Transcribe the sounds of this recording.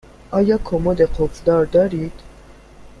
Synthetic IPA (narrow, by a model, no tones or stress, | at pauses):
ʔɒːjɒːkʰomod̪eqʰofd̪ɒːɾd̪ɒːɾiːd̪̥